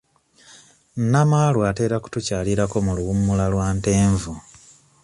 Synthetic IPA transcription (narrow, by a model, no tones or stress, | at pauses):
nnamalwate̞ːɾaku̥tucaːliɾako̞muluɣumːulalwaːnte̞ːɱvu